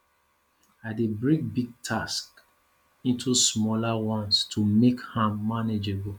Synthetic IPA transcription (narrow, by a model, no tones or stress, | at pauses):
aɪdebɹĩŋbiɡ̚tʰask | ĩntʰusmɔlawɔ̃nstʰumekhãmːaned͡ʒebɔl